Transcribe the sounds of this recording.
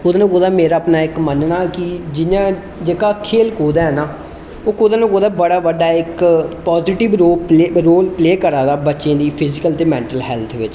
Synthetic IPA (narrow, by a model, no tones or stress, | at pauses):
koːd̪aːnãːkoːd̪aːmeːɾaːəpnaːɪkmənnaːkɪd͡ʒɪãː | d͡ʒeːkaːkʰeːlkoːd̪ɛ̃ːɛnaː | oːkoːd̪aːnakoːd̪aːbəɽaːʋəɖaːɪkpaːzɪːʈɪʋɾoːɾoːlpleːkəɾaːd̪aːbətːʃẽːd̪iːpʰɪzɪkəlt̪eːmɛ̃ːɳʈəlɦɛːlt̪ʰʋɪt͡ʃ